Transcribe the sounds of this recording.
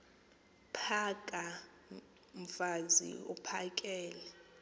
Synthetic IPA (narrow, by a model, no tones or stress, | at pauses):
pʰakʼa | m̩fazḭupʰak̬ʼɛːlɛ